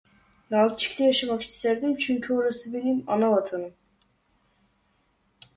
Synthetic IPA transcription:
nalˠt͡ʃʰi̥ct̪ʰɛjaʃamaki̥st̪ʰæɾd̪imt͡ʃʰyɲcʲʰyoɾasɯbeɾimanavat̪ʰanɯm

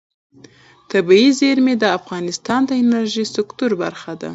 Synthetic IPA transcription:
t̪abiizeɾmed̪əafɣɑnɪst̪ɑnd̪əɪnaɾʒisʊkt̪uɾba̰ɾxad̪a̰

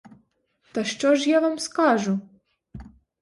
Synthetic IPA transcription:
t̪ɐʃt͡ʃɔʒjaʋamskaʒu

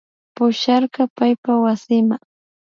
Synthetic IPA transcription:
pʊʃɑɾɢɑpajpawasɪmaŋ

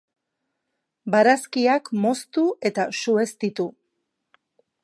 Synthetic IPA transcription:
baɾaskiakmo̞st̪ue̞t̪asue̞st̪it̪u

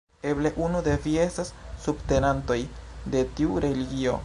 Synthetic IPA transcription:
e̞ble̞ʔunude̞vie̞stasːubte̞nanto̞jde̞tiuɾe̞liɡio̞̰

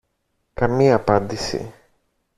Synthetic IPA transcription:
kɐmiɐːpɐnd̪isḭ

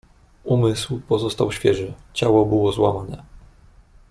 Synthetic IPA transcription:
umɘswpɔzɔst̪awɕfʲjɛʐɘt͡ɕawɔbɘwɔzwa̰manɛ

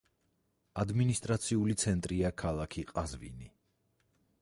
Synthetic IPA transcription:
ad̪minist̪ʼɾat̪sʰiulit̪sʰɛnt̪ʼɾiakʰalˠakʰiqʼazvḭni

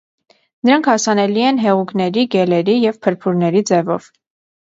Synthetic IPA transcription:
nəɾɑŋkʰhɑsɑnɛliɛnɦɛʁuknɛɾiɡɛlɛɾijɛvpʰəɾpʰuɾnɛɾid͡zɛvɔ̰v̥

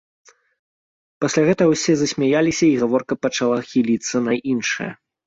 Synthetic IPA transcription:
pɐsʲlʲaɣɛt̪ɐwsʲɛzɐsʲmʲajalʲisʲɐiɣavɔrkɐpɐt͡ʂalˠaxʲilʲit̪sːɐnɐʔinʂɨ̰jɐ̰

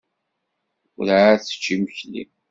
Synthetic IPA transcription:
ʊɾʕθə̥t͡ʃːiməçlḭm

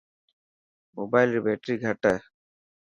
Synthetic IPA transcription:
mobajlɾibeːʈɾiːɡʱɐʈə

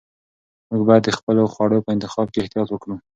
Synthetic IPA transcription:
muɡbɑjad̪ːəxpəloxwɑɽəpəɪnt̪ɪxɑb̚keːht̪ijɑt̪wəkɽu

